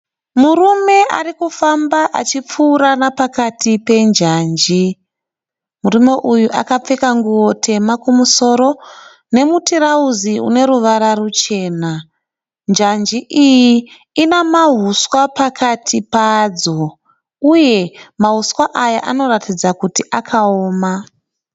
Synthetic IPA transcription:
muɾume̞ʔa̰rikufambaʔa̰t͡ʃip͡fuːɾanapakatipe̞nd͡ʒaːnd͡ʒi | muɾume̞ʔujuʔakap͡fekaŋɡuwo̞tʰe̞makumuso̞ːɾo̞ | ne̞mutiɾauziṵne̞ɾuʋaɾarut͡ʃe̞ːna | nd͡ʒand͡ʒiʔiji | inamaɦuswapakʰatʰipad͡zo̞ | uje̞maɦuswaʔajaʔano̞ratid͡zakutiʔakʰaoːma

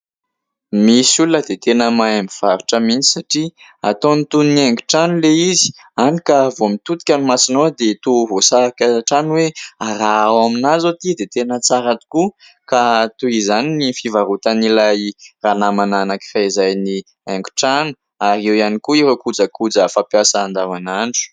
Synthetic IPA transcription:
misulnəd̪et̪enəmaamiv̥aɾuʈ͡ʂəmint͡si̥saʈ͡ʂi | at̪onit̪uniniaŋɡu̥ʈ͡ʂanuleizi̥ | anikavomit̪ut̪i̥kʲanimasinod̪et̪uvosaakaʈ͡ʂanweaɾawaminazot̪id̪et̪enət͡saɾat̪u̥ku | kat̪uizaninifivaɾut̪anilajranamananakiraizajni | aŋɡu̥ʈ͡ʂanu̥ | aɾewjanikuiɾokud͡zəkud͡zəfapjasaːnd̪avanaɳʈ͡ʂu̥

